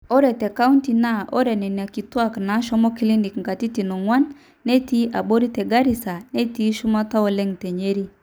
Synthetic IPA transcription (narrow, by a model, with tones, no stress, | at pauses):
ɔ˦ɾɛ˨tɛ˨ka˦u˦nti˨na˦˨ʔɔ˦ɾɛ˨nɛ˨ni˨a˨ki˨twa˦˨kna˨˦ʃɔ˦mɔ˦ki˦li˦ndi˨kŋ̩˨ka˨ti˦ti˨nɔ˨ŋwa˦nː | e˦ti˦ʔa˨bo˦ɾi˦tɛ˨ɡa˦ɾi˨sa˨ne˦ti˦ʃu˦ma˦ta˦ɔ˨lɛ˦ŋte˨ɲe˦ɾi˦